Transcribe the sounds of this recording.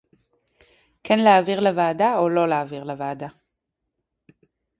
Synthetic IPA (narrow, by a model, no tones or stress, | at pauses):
kʰenleaːviʁleveːdaolo̞leːviʁleveːda